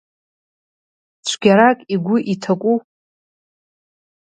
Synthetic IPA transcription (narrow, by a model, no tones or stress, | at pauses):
t͡ɕʷʰɡʲaɾakʲʼiɡʷʊʔitʰakʷʼu